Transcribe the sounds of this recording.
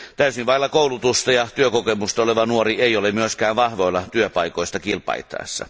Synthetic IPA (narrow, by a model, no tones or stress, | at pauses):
t̪æysiʋʋɑˑilːɑkoˑulut̪ust̪ɑjɑt̪yøkokemust̪ɑoleʋɑnuorieˑijolemyøskæːʋʋɑhʋoilːɑt̪yøpɑikoˑist̪ɑkilpɑ̰ˑit̪ːˑɑ̰esːɑ̰